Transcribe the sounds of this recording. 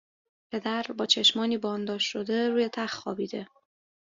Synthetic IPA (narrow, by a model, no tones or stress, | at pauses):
pʰe̞d̪æɾbɒːt͡ʃʰe̞ʃmɒːniːbɒːnd̪ɒːʃʃo̞d̪e̞ɾuːjet̪ʰæxxɒːbiːd̪e̞